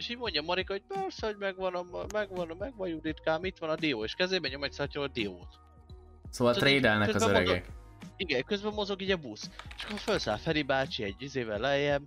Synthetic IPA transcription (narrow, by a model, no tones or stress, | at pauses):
eʃiːɟmo̞ɲɟɒmɒɾikɒoɟ̚pɛrsɛho̞ɟmɛɡʋɒnɒmmɛɡʋɒnmɛɡʋɒjud̪it̪kaːmit̪ʋɒnɒd̪ijoːeːʃkɛzeːbɛɲo̞mɛcsɒcːɒɦod̪ioːt̪ | soːvɒlt̪ɾeːd̪ɛlnɛkøzɒzbɛøɾɛɡɛ̰k | iɡɛkø̞zbɛmːo̞zo̞ɡiːɟɒbust͡ʃɒ̥kːoɒfølsa̰ːfɛlibaːt͡ʃiɛɟizeːvɛlɛjɛm